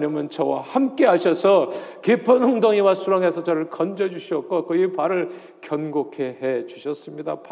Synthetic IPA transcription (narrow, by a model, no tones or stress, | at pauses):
ɲimʌnt͡ɕʌwahamk͈e̞ɦaɕʰʌsʰʌkepʰʌnhoŋdʌŋiwasʰuɾaŋɦesʰʌt͡ɕʌɾɯɭkʌnd͡ʑʌd͡ʑuɕʰiʌk̚k͈ok͈ɯipaɾɯɭ | kjʌnɡokʰe̞ɦet͡ɕuɕʰʌs͈ɯmɲidapa